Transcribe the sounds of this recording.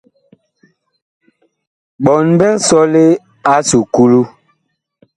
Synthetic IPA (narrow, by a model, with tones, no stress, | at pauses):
ɓɔ˨nbɛ˦sɔ˦le˦ | a˦su˨ku˦lu˦